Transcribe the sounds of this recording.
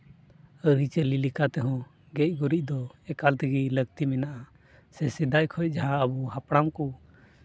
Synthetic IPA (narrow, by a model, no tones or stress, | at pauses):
əɾit͡ʃəlilikat̪ɛɦɔ̃ | ɡɛc̚ɡuɾic̚d̪ɔɛkalt̪ʰiɡiləɡ̚t̪imɛnaʔa | sɛsid̪ajkʰɔc̚ˀd͡ʒaɦãəbuɦapɽ̃amku